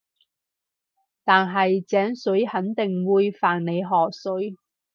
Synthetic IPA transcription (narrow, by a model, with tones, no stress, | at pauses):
t̪aː˨nɦɐ˨jt͡sɛː˨˥ŋsɵ˨˥ɥhɐ˨˥nt̪ɪ˨ŋwuː˨˧jfaː˨˩nne˨˧jɦɔː˨k̚sɵ˨˥ɥ